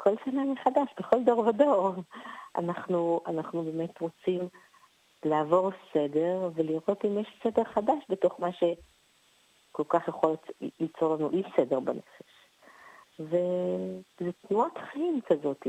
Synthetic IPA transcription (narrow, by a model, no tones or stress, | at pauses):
kʰo̞lsananeχadaʃbeχo̞ldo̞ʁvado̞ʁa̰naχnuanaχnube̞ːme̞tʁo̞t͡sim | laːvo̞ʁse̞de̞ʁveliʁo̞timjeʃsede̞ʁχadaʃbeto̞χmaʃe | ko̞lkaχjaχo̞lit͡so̞ʁlanuʔiʃsede̞ʁbane̞fe̥ʃ | ve̞ | zetnuatχaimkazo̞ti